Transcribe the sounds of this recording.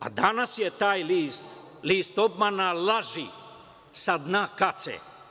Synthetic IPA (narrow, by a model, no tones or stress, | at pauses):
a̰d̪anasjet̪aːjliːst̪ | liːst̪obmanalaʒi | sad̪nakat̪sḛ